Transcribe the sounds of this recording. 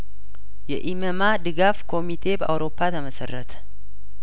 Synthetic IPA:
jɛʔiməmad̪ɨɡafkʰo̞mit̪ʰe̞bəʔa̰wɾo̞pʰːat̪ʰəməsə̰rːət̪ʰə̥

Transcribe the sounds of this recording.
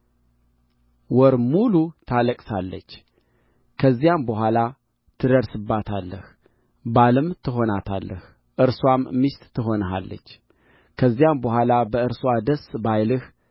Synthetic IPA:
wɔɾmulut̪ʰaləkʼsalːə̰t͡ʃː | kʰəzːijambəhʷala | t̪ʰɨd̪əɾsɨbːat̪ʰalːəh | baləmt̪ʰɨɦo̞nat̪ʰa̰lːəh | ʔɨɾswamːist̪t̪ʰːɨɦo̞nəɦa̰lːə̰t͡ʃː | kʰəzːijambəɦʷalabəɨɾswad̪əsbajlɨh

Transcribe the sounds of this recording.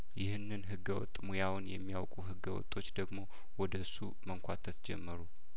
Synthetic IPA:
jɪhɨnːɨnɦɨɡːəwɔ̰t̪ʼːmujawʊnjɛmːijawkʼuɦɨɡːəwɔ̰t̪ʼːo̞t͡ʃːd̪əɡmo̞ | wɔd̪əɨsːu | məŋkʷʰat̪ʰət̪d͡ʒɛ̰mːəɾu

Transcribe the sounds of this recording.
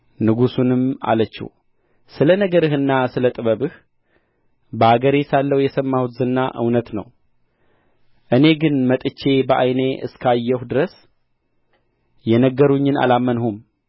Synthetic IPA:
nɨɡusunɨma̰lət͡ʃːɛ̰w | sɨlənəɡəɾɨhɨnːasɨlət̪ʼɨβəβɨh | bəaɡəɾesalːəwjɛsəmːahut̪zɨnːa̰ʔɨ̰wnət̪nə̰w | ʔɨne̞ɡɨnmət̪ʼɨt͡ʃːe̞bəʔa̰jne̞ʔɨ̰skʰajːɛhud̪ɨɾəs | jɛnəɡːəɾuɲːɨna̰lamːənhum

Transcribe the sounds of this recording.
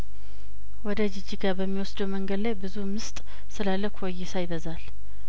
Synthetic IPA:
wɔd̪əd͡ʒɪd͡ʒiɡabəmːiwɔsd̪əwməŋɡəd̪lajbɨzumɨst̪ʼ | sɨlalːəkʷʰwɔjɪsajɪd̪əzal

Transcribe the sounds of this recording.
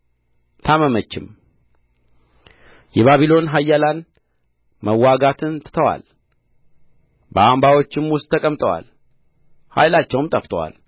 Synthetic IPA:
t̪ʰaməmət͡ʃːɪm | jɛβaβilo̞nɦajːalan | məwːaɡat̪ʰɨnt̪ʰɨ̥t̪ʰəwa̰l | bəambawo̞t͡ʃːɪmwʊst̪ʼʰːəkʼəmt̪ʼəwa̰l | ha̰jlat͡ʃːɛwɨmt̪ʼəft̪ʰʼəwa̰l

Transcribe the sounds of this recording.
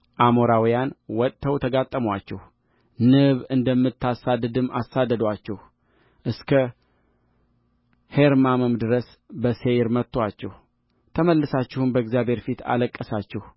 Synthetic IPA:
ʔamoɾawjanwɔt̪ʼt̪ʰəwt̪ʰəɡat̪ʼːəmwat͡ʃːɛh | nɨβɨnd̪əmːɨt̪ʰːasad̪ɨd̪ɨmːʔa̰sːad̪ːəd̪wat͡ʃːɛh | ʔɨskʰə | heɾmamɨmd̪ɨɾəs | bəsejɾmət̪ːwat͡ʃːɛh | t̪ʰəməlːɨsat͡ʃːɪhunbəɛɡzjabʱhe̞ɾfit̪ʰa̰ləkʼːəsat͡ʃːɛh

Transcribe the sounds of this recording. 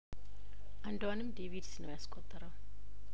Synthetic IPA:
ʔand̪wanɨmd̪evid̪sinəwjaskʼɔt̪ʼːəɾəw

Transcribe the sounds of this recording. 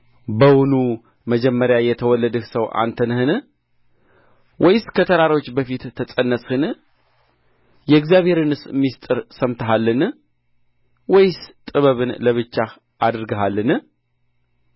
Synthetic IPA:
bəwunu | məd͡ʒɛmːəɾjajɛt̪ʰəwɔlːəd̪əhsəwʔa̰nt̪ʰənɨhɨn | wʔɔjskʰət̪ʰəɾaɾo̞t͡ʃːbəfit̪ʰːət͡sʼənːəshɨn | jɛɨɡzijaβhe̞ɾɨnɨsmːist̪ʼɨɾsəmt̪ʰəɦalːɨn | wɔjst̪ʼɨβəβɨnləβɨt͡ʃːa | ʔad̪ɨɾɡəɦalːɨnɨ

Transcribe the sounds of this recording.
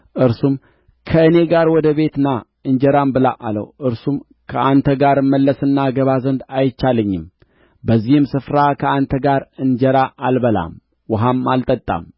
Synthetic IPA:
ʔɨɾsum | kʰəɨne̞ɡaɾwɔd̪əβe̞t̪ɨna | ɨnd͡ʒəɾambɨlaʔalə̰wʔɨɾsum | kʰəʔant̪ʰəɡaɾmːəlːəsɨnːaɡəβazənd̪ajt͡ʃːaləɲːɪm | bəzːihɨmsɨfɾakʰəant̪ʰəɡaɾɨnd͡ʒəɾaʔalbəla̰m | wʊɦamːalt̪ʼət̪ʼːa̰m

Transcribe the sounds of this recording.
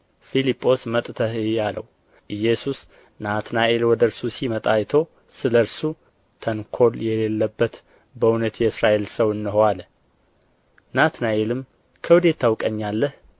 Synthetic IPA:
filipʼːo̞smət̪ʼt̪ʰəhɨalə̰w | ʔɨjɛsus | nat̪naʔelwɔd̪əɾsusimət̪ʼajt̪ʰo̞ | sɨləɾsu | t̪ʰənkʰo̞ljɛlelːəbːət̪ | bəunət̪jɛɨsɾaʔe̞lsəwɨnːɨɦoal | nat̪naʔelɨm | kʰəwud̪e̞t̪ʰːawkʼəɲːalːəh

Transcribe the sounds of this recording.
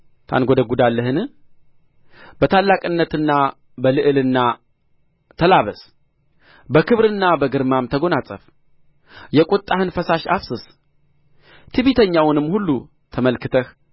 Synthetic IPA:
t̪ʰa̰nɡo̞d̪əɡud̪alːəɦɨnɨ | b̥ət̪ʰalːakʼɨnːət̪ɨnːa | bəlɨʔɨlɨnːa | t̪ʰəlaβəs | bəkʰɨβɾɨnːabəɡɨɾmamt̪ʰəɡo̞nat͡sʼə̰f | jɛkʼut̪ʼːahɨnfəsaʃa̰fsɨs | t̪ʰɨβit̪ʰəɲːawnɨmːhulːu | t̪ʰəməlkɨt̪ʰəh

